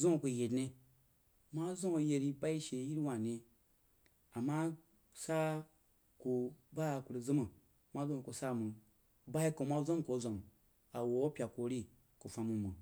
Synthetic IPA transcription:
zõ˦˨ku˧je˨dne˧ | ma˦zõ˦˧je˧ɾi˧ba˦i˦ʃe˧˦ji˦ɾwa˨ne˧ | a˨ma˦ | sa˦ | ku˧ba˦˨ku˨ɾi˧zɨ˦mu˨ | ma˦zo˦˨ku˧sa˦˨mɨ˨ | ba˦i˦ko˨˧ma˦zʷo˦˨ko˨˦zʷa˨n | a˨wo˨o˦pʲa˨ko˧˦ɾi˦ | ku˨fa˧mu˧mɨ˨

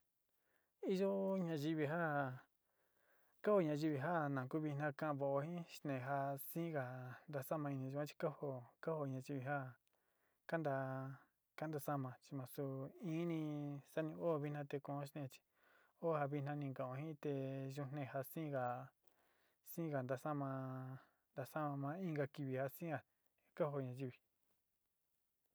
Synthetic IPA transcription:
i˧ʒo˦ɲã˧ʒi˧βi˧ɦa˦ | ka˦ho˧ɲã˧ʒi˧βi˧ɦa˦nã˨ku˦βi˧nã˧kã˦ʔβo˨o˧hĩ˦ʃt̪nẽ˨ɦa˧sĩ˦ɣa˨nd̪a˧sa˦mã˧i˧nĩ˧ʒu˧˦ã˦t͡ʃi̥˧ka˦ho˧ka˦ho˧ɲã˧ʒi˧βi˧ɦa˦ | ka˦nd̪a˧ | ka˦nd̪a˧sa˦mã˧t͡ʃi˧mã˧su˧ĩ˦nĩ˧sa˦nĩ˧o˦˨˧βi˧˦nã˧t̪e˧kõ˧˨õ˦ʃnẽ˧t͡ʃi̥˧ | o˦ha˧βi˧nã˧nĩ˧ŋɡã˨õ˧˨ɦĩ˦t̪e˧ʒu˧nẽ˧˨ha˧sĩː˦ɣa˨ | sĩː˦ɣa˨nd̪a˧sa˦mã˧ | nd̪a˧sa˦mã˧mã˧˦ĩ˦ŋɡa˧ki˧βi˨ha˧sĩ˦a˨ | ka˦ho˧ɲã˧ʒi˦˧βi˨

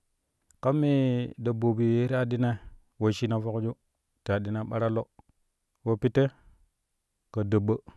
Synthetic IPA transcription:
ka˦mːi˦da˨bo˨bi˨je˦ɾi˦a˨di˦na˦ | wo˦˨ʃi˦na˨fo˦kd͡ʒu˦ | ti˨a˨di˨na˦ɓa˦ɾa˦lo˦ | wo˦pi˦tːe˦ | ka˨də˨bə˦

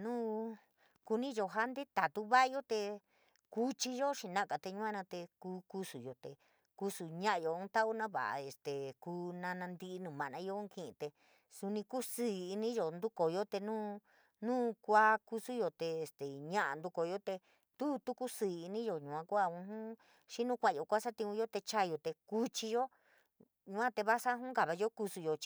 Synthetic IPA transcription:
nũː˦ | ku˧nĩ˦jo˧ɦa˦nd̪e˦t̪a˨t̪u˦βa˦ʔa˦jo˦t̪e˧ | ku˦t͡ʃi˧ʒo˦ʃĩ˧nã˦˧ka˨t̪e˧ɲũ˦ã˦nã˧t̪e˧kuː˦ku˧su˨jo˨t̪e˨ | ku˧˦su˨ɲã˦ʔa˧jo˧ũ˦t̪a˦ʔu˦nã˦βa̰˨ʔa̰˨e˨st̪e˨ku˧˦nã˧nã˧nd̪i˧ʔnũ˨mã˨nã˧˦jõ˦ki˦˨ʔḭ̃˧t̪e˧ | su˧nĩ˧ku˦si˦˨i˧nĩ˦jo˨nd̪u˦ko˨jo˦t̪e˧nũː˦ | nũː˦kʷa˧ku˧su˦jo˧t̪eː˧˨st̪e˨ɲã˦ʔa̰˨nd̪u˧ko˨jo˦t̪e˧ | t̪u˦t̪u˦ku˦si˨i˧nĩ˦jo˨ɲũ˨ã˧kʷa˦˧ũ˧˦ɦũ˦ | ʃi˦nũ˦kʷã˧˨jo˨kʷa˦sa˦t̪ĩ˧ũ˧jo˦t̪e˧t͡ʃa˦jo˨˧t̪e˧ku˦t͡ʃi˧jo˦ | ɲũ˧ã˦t̪e˧βa˦sa˦ɦũ˦ɡa˨βa˧jo˦ku˧su˧jo˧t͡ʃ

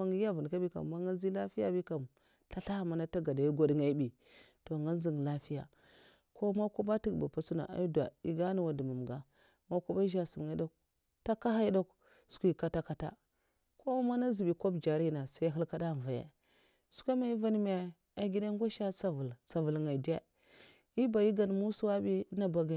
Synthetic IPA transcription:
a˦ŋɡi˦ja˦vu˨n˨ka˦bi˦ka̰˨mː˨a˦ŋa˦n˦zi˦la˦fi˦ja˦bi˦ka˨m | ɬa˦ɬa˦˨ma˨˦na˦ta˦ɡa˨da˨i˦ɡo˦dŋa˦i˦bi˨ | to˨ŋa˦n˦zi˨ŋ˨la˦fi˦ja̰˨ | ko˦ma˦ku˦ba˦ti˦ɡba̰˨pa˦su˦na̰˨ʔa̰˨˦da̰˨i˨ɡa˦n˨wa˨du˨ma˨mɡa˦ | ma˦ku˦ba˦ʒa˨su˨m˨ŋa˨˦do˦k̚ | ta˦ka˦ɦa˦i˦do˦k | su̥˨kʷi˦˨ka˦ta˦ka˦ta̰˦ | ko˦ma˦na˦zi˨bi˨ko˦bd͡ʒa˨ɾi˦na˨sa˦ɦi˦lka˦da˦˨va˨ja̰˨ | su̥˦kʷa˦ma˨i˦va˦n˦m˦a˨ | a˨ɡi˦da˦ŋɡʷa˦ʃa˦sa˨vu˨lsa˨vu˨lŋa˨i˨di˦a̰˦ | i˦ba˨ji˦ɡa˨n˨mu˦su˦wa˦bi˦na˦ba˨ɡa˨

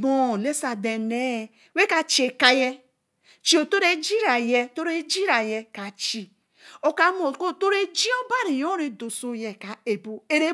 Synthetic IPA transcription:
bo˦˨le˦sa˨de˨ne˦˨ | we˦ka˨t͡ʃe˨ka˦je˦ | t͡ʃi˦o˨to˦ɾe˦d͡ʒi˦ɾa˨je˦˨to˦ɾe˦d͡ʒi˦ɾa˨je˦ka˨t͡ʃi˦ | o˦ka˦mo˨ko˦˨to˦ɾe˦d͡ʒi˦o˦ba˦ɾi˨jo˦ɾe˨do˨so˦je˨ka˨e˨bo˦e˦ɾe˦

